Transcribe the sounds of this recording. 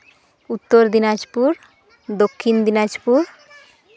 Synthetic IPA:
ut̪ːoɾd̪inad͡ʒpuɾ | d̪okʰːind̪inad͡ʒpuɾ

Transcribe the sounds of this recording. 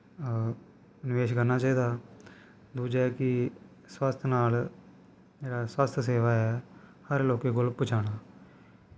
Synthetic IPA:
nɪʋeːʃkəɾnaːt͡ʃaːiːd̪aː | d̪uːd͡ʒɛːkɪ | swaːst̪ʰnaːl | d͡ʒeːɽaːsaːst̪ʰs̬eːʋaːɛːhəɾloːkeːɡolpʊt͡ʃʰaːɽ̃aː

